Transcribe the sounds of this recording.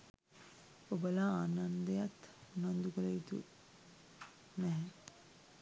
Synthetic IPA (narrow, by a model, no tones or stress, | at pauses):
obəlaaːnand̪əjat̪unand̪ukələit̪ṵ | nɛɦɛ